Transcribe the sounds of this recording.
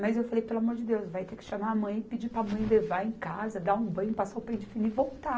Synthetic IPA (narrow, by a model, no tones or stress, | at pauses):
mɐzewfalejpelwamoɾd͡ʒɪd̪ewsvajt̪ekɪ̥ʃamaɐmɐ̃j̃pid͡ʒipɾamɐ̃j̃levaẽkazɐd̪aũbɐ̃j̃pasawpẽd͡ʒɪfiniɪvowt̪a